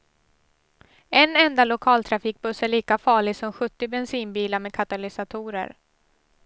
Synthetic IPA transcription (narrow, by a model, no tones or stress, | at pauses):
ɛnɛnd̪alʊkʰɑːlt̪ʰɾafiːk̚bɵsæɭiːkafɑːɭɪɡsɔmɧɵt̪ːɪbɛnsiːnbiːlaɾmɛkʰat̪alɪsat̪ʰuːɾə̰ɾ